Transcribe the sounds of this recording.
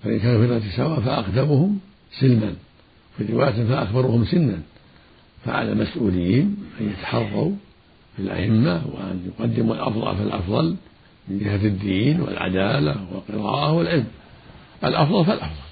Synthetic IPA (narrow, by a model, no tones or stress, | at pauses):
faʔɪ̰nkaːnufɪt̪ɣɑt̪isawaʔfaʔaqd̪amʊhʊm | sɪlman | fiːɾɪwaːjat̪faʔaxbɑɾˤuhʊmsɪnːan | faʕa̰la̰masʔuːlɪjːiːnʔanjat̪ḁħɑrˤːɑu | filʔa̰ʔɪmːawɪ̰ʔa̰njʊqɑd̪ːɪmulʔɑ̰fðˤɑ̰lfalʔɑ̰fðˤɑl | mɪnd͡ʒɪhad̪ːiːnwɪ̰lʕa̰d̪aːlawɪ̰lqɨɾɑ̰ːʔahwɪlʕɪlm | ʔalʔɑfðˤɑlfalʔɑfðˤɑl